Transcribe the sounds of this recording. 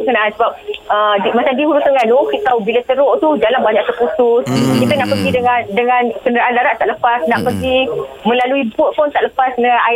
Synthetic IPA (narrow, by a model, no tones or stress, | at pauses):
kanansəbap̚ʔədimat͡ʃaŋdiɦuɾʊsəŋanokiʔt̪aubilat̪əɾoʔt̪ud͡ʒalanbaɲak̚t̪ərkusʊskit̪ənaʔpərɡidəŋandəŋãnkəndəɾaʔanlaɾaʔt̪aʔləpasnaʔpərɡi | mə̃laluibʊt̪̚pʊnt̪aʔləpasnəaa